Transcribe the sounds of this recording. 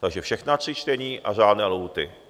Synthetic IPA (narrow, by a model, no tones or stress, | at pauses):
t̪aɡʒɛfʃɛxnat̪r̝̥ɪt͡ʃt̪ɛɲiːʔa̰r̝aːdnɛːlowt̪ɪ̰